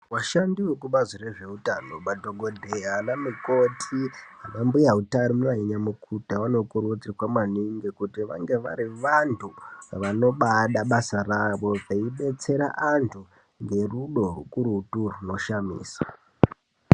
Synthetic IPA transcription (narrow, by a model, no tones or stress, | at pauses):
waʃandiwekuɓazireʐe̞utano̞ɓadʱoɡʱodʱeɦanamiko̞tʰiɦanambujaɦutaɾomuniɲamukʰutawano̞kuɾutirwamaniŋɡekutiʋa̰ŋɡe̞ʋa̰ɾiʋantʰuʋano̞ɓaɗaɓasaraʋo̞ʐaiɓe̞t͡se̞ɾa̰ʔantʰu | ŋɡe̞ruɗo̞rṵkuɾuturuno̞ʃamḭːsḁ